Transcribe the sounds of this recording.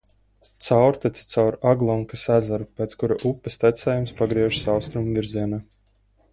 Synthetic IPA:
t̪sawɾt̪ɛt̪si̥t̪sawɾaɡlˠɔŋkasæzaɾupʲɛːt̪skuɾaʔupːɛst̪æt̪sɛːjumspaɡɾiɛʒi̥sawst̪ɾumvʲiɾziɛnaː

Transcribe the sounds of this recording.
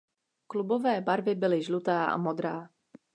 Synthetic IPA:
klubovɛːbaɾvɪbɪlɪʒlut̪aːʔa̰mod̪ɾaː

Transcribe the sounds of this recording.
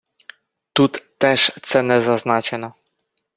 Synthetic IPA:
t̪ut̪ːɛʂt̪sɛnɛzaznat͡ʃɛnɔ

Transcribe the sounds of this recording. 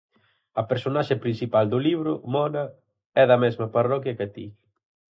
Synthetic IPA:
ɐpeɾsonaʃɪpɾinsipald̪ʊliβɾʊmɔnɐ | ɛðɐmɛzmɐparɔkjɐket̪i

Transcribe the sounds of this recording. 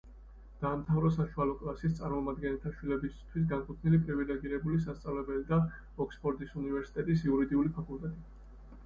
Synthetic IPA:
d̪̥aːmt̪ʰavɾɔsaʃualɔkʼlasist̪sʼaɾmɔmad̪ɡɛnɛlt̪ʰaʃwilɛbist̪ʰwis̬ɡankʼut̪ʰnilipʼɾivilɛɡiɾɛbulis̬ast̪sʼavlɛbɛlid̪a | ɔkspʰʼɔɾd̪isunivɛɾsi̥t̪ʼɛt̪ʼisiuɾid̪iulipʰakʼulˠt̪ʼɛt̪ʼi

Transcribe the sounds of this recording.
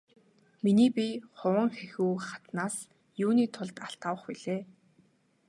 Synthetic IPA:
miniːpʲiχʊwə̆ŋxexuːχat̪naːs | juːniːt̪ʰʊɮt̪aɬt̪awə̆χpiɮeː

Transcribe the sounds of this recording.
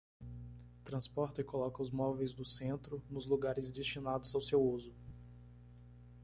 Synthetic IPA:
t̪ɾɐ̃spɔɾt̪ɐɪkolɔkɐʊzmɔvejzd̪ʊsẽnt̪ɾʊnʊzluɡaɾɪzd͡ʒest͡ʃinad̪ʊzawsewuzʊ

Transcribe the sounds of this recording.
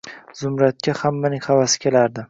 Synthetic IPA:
zʊmɾat̪̚kʲʰahamːanɪŋχavasɪ̥kʲʰe̞laɾd̪ɪ

